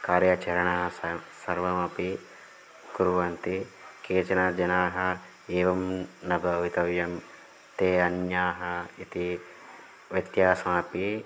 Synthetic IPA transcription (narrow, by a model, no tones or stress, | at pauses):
kaːɾjɐt͡ʃɐɾɐɳɐɦɐsɐɾʋɐmɐpi | kuɾʋɐnt̪ikeːt͡ʃɐnɐd͡ʒɐnaːɦɐ | eːʋɐmnɐbʱɐʋit̪ɐʋjɐm | t̪eːɐnjaːɦɐit̪i | ʋjɐt̪jaːsɐmaːpi